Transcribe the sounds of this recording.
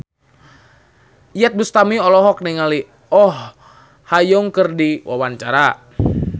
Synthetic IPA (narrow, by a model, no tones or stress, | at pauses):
ijɛt̪̚bust̪amiɔlɔɦɔk̚niŋali | ɔh | hajʊŋkərdiwa̰want͡ʃaɾa